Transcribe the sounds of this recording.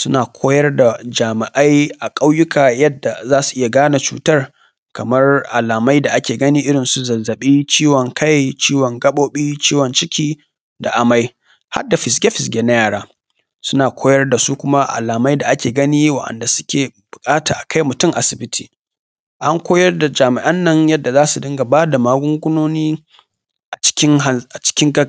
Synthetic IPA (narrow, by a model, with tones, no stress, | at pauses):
sʊ˦naː˨kʷʰoː˦jɐ˦rda˨d͡ʒaː˨mɪ˨ʔa˦jʔa˨kʼa˦wjʊ˦kʰaː˨jɐ˦dːa˨zaː˦su̥˨ʔɪ˦ja˨ɡaː˦na˨t͡ʃṵː˨tɐ˦r | kɐ˨mɐ˦rʔa˨laː˨ma˦jda˨ʔa˦kʲeː˨ɡɐ˦niː˦ʔɪ˦ɽɪ˨nsu˦zɐ˨zːɐ˨ɓiː˦t͡ʃiː˦wɔ˨ŋkʰa˦jt͡ʃiː˦wɔ˨ŋɡɐ˦ɓoː˦ɓiː˦t͡ʃiː˦wɔ˨nt͡ʃɪ˦kʲʰiː˦ | da˨ʔa˨ma˦j | ha̰˦dːa˨ɸɪ˨s̬ɡʲe˦ɸɪ˨s̬ɡʲe˨na˦jaː˨ɽaː˦ | sʊ˦naː˨kʷʰoː˦jɐ˦rda˨su˦kʷʊ˦ma˦ʔa̰˨laː˨ma˦jda˨ʔa˦kʲeː˨ɡɐ˦niː˦wa̰˦˨ʔɐ̰˨nda˨sʊ̥˦kʲeː˨b̥ʊ˨kʼaː˦ta̰ː˨ʔa˨kʰa˦jmʊ˨tʊ˦˨ŋʔa˨sɪ˨bɪ˦tʰiː˨ | ʔa˦ŋkʷoː˦jɐ˦rda˨d͡ʒaː˨mɪ˨ʔɐ˦nːɐ˦ŋjɐ˦dːa˨zaː˦su˨dɪ˦ŋɡa˨baː˦da˨maː˦ɡʷʊ˦ŋɡʷʊ˦noː˦niː˦ | ʔa˨t͡ʃɪ̥˦kʲɪ˦ŋ˨a˨t͡ʃɪ̥˦kʲɪ˦ŋɡɐ˦